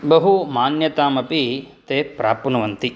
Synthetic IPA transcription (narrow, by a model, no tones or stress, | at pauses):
bɐɦumaːnjɐt̪aːmɐpit̪eːpɾaːpɐnuʋɐnt̪i